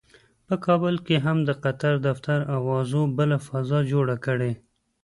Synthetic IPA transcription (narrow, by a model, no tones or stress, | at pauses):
pəkʰɑbəlkeɦamd̪əqat̪aɾd̪aft̪aɾawɑzobəlafazɑd͡ʒoɽakəɽe